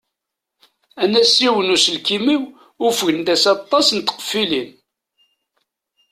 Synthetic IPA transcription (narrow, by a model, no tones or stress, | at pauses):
ænæsiwənusəlkimiw | ʊfəʝənd̪æsɑt̪ˤːɑsnət̪ːə̥qə̥fːilin